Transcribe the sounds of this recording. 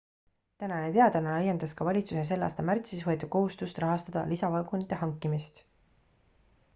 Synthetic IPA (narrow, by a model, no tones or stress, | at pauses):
t̪ænɑnet̪e̞ɑd̪ɑnɑlɑjend̪ɑskɑvɑlʲit̪su̥ses̬e̞lːɑ̰ːst̪ɑmært̪sisvɤet̪ːˑu̥ko̞ɦust̪ust̪rɑɦɑst̪ɑd̪̥ɑ̰lisɑvɑlɡunit̪ːˑeɦɑŋkːˑimist̪